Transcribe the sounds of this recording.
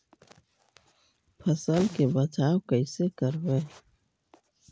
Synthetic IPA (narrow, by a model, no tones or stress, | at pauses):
pʰəsəlkebətaːwkəɪsekəɾbeː